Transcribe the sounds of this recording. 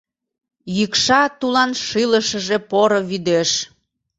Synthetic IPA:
jɯkʃɑt̪ulɑnʃɨləʃə̆ʒepoɾoβyd̪eʃ

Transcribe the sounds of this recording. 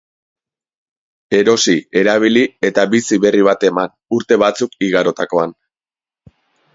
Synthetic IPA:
e̞ɾo̞sie̞ɾaβ̞ilie̞t̪aβisiβe̞riβ̞at̪e̞man | uɾt̪e̞βat͡sukiɣaɾo̞t̪ako̞an

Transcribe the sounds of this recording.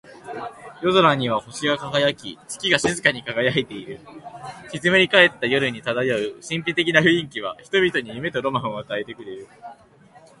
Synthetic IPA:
jo̞zo̞ɾaɲ̟iβ̞aho̞ɕiɡakaɡajakʲit͡ɕɨ̥kʲiɡaɕizɨkaɲ̟ikaɡajait̪e̞iɾɯ̟kʲizɨmɯɾʲikaet̪ːajo̞ɾɯ̟ɲ̟it̪ad̪ajaɯ̟ɕĩmpʲit̪e̞kʲinaɸɯ̟ĩŋkʲiβ̞a̰çi̥t̪o̞bʲit̪o̞ɲ̟ijɯme̞t̪o̞ɾo̞mãɰ̃oat̪ae̞t̪e̞kɯ̟ɾe̞ɾɯ̟

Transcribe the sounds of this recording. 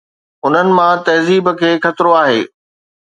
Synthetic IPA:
ʊn̤ənɪ̆mãt̪ɐɦziːbkʰeːxɐt̪ɾoaːɦḛː

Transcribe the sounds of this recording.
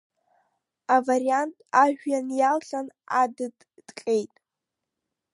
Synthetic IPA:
avaɾiantʼaʒᶣjanjalɬʼanadɨd | d̥qʲʼejtʼ

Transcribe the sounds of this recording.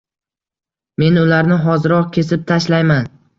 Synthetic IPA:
me̞nʊlaɾnɪɦɒzɪɾɒqkʲʰe̞sɪp̚t̪ʰaʃlajman

